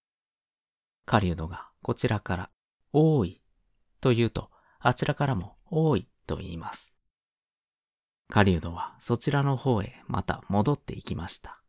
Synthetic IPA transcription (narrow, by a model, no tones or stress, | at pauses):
kaɾʲiɯd̪o̞ɡako̞t͡ɕiɾakaɾa̰ | oːi | t̪o̞jɯ̟ːt̪o̞̰ | at͡ɕiɾakaɾamo̞ | oːit̪o̞̰ḭːmasɨ̥ | kaɾʲiɯ̟d̪o̞βaso̞t͡ɕiɾano̞ho̞ːe̞mʔa̰t̪a̰mo̞d̪o̞t̪ːe̞̰ikʲimaɕi̥t̪ḁ